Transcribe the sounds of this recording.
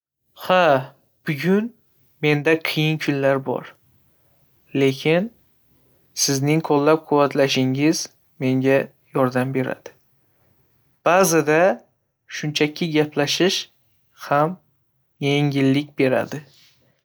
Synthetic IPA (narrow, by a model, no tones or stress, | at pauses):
ha | b̥ʊɡʲʊn | me̞nd̪aqʰɨjɪnkʰʊnlaɾbɒ̰ɾ | le̞kʲʰɪn | sɪznɪŋqʰolːap̚qʰʊwːat̪ʰlaʃɪŋɪz | me̞ŋɡʲa | jɒɾd̪ambe̞ɾa̰d̪̥ɪ | b̥azɪd̪a | ʃʊnt͡ʃʰakʲʰɪɡʲapʰlaʃɪʃ | ham | je̞ŋʲɪlːɪk̚ʲbe̞ɾa̰d̪ɪ